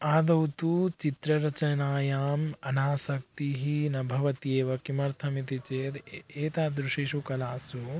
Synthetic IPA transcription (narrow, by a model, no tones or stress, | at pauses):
aːd̪ɐwt̪ut͡ʃit̪ɾɐɾɐt͡ʃɐnaːjaːmɐnaːsɐk̚t̪iɦinɐbʱɐʋɐt̪ieːʋɐkimɐɾt̪ʰɐmit̪it͡ʃeːd̪eːt̪aːd̪ɾuʃiʃukɐlaːsu